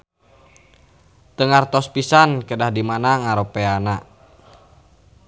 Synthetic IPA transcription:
t̪əŋart̪ɔspisankədahdimanaŋaɾopeana

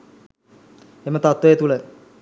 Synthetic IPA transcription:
emət̪at̪ʋɐjet̪ulə

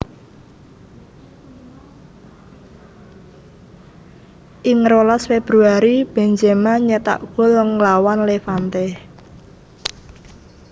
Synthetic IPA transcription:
ʔɪŋɾolasfeb̥ɾuaɾib̥ɛ̤ɲd͡ʒɛmaɲɛt̪a̰ʔɡ̥o̤ləŋlawanlefant̪ɛh

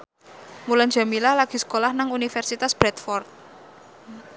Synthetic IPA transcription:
muland͡ʒa̤milahlaɡ̥i̤sə̥kolahnaŋunifɛrsit̪asb̥ɾɛt̪fɔrt̪̚

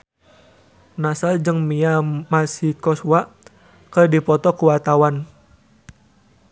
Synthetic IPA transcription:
nasald͡ʒɨŋmiamasikɔswa | kərdipɔt̪ɔkuwat̪awan

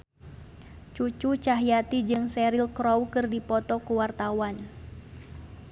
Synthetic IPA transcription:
t͡ʃut͡ʃut͡ʃaɦjat̪id͡ʒɨŋsɛɾilkɾɔwkɨrdipɔt̪ɔkuwart̪awan

